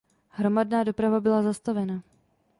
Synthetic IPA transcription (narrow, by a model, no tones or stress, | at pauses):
hɾo̞madnaːdo̞pɾavabɪlazast̪avɛna